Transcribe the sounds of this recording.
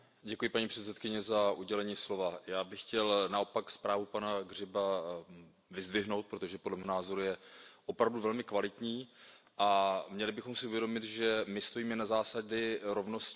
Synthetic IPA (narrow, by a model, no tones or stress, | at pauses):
ɟɛkujɪpaɲiːpr̝̥ɛt̪sɛt̪̚kɪɲɛzaʔuɟɛlɛɲiːslo̞vajaːbɪxcɛlnao̞pakspɾaːvupanaɡr̝ɪba | vɪzd̪vɪɦno̞wt̪̚pɾo̞t̪oʒɛpodlɛmɪɦonaːzo̞ɾujɛʔo̞pɾavduvɛlmɪkvalɪt̪ɲiː | ʔamɲɛlɪbɪxo̞msɪuvjɛdomɪt̪ʒɛmɪst̪o̞jiːmɛnazaːsaɟɪɾo̞vnosc